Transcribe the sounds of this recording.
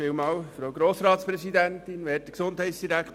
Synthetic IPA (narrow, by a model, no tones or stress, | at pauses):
ɪːlmɑːwfɾowɡɾoːsɾɑːtspɾɛsidæntɪnʋɛːtə̥ksondɦɛɪsd̥iɾækʰt